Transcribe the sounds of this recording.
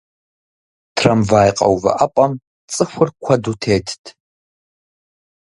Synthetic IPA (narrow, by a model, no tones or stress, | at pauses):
tʰrɐmvaːjqʼɐ̰wvɐ̰ʔɐpʼɐm | t͡sʼɨxʷʊrkʷʰɐdutʰeːtʰtʰ